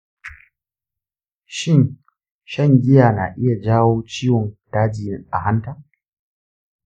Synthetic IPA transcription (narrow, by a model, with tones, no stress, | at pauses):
ʃɪ˦˨n | ʃɐ˦˨ŋɡʲɪ˦jaː˨na̰ː˨ʔɪ˦ja˨d͡ʒaː˦woː˦t͡ʃiː˦wɔ˨nd̥aː˦d͡ʒɪ˨jɪ˦ŋʔa̰˨ɦa˦ntaː˦˨